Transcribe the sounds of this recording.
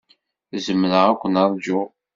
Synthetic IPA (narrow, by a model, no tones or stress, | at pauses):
zəmːləʁækʷːənɑɾˤd͡ʒʊ